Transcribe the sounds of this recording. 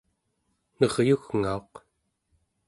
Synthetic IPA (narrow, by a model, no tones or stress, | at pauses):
nʌʁjuɣŋao̞q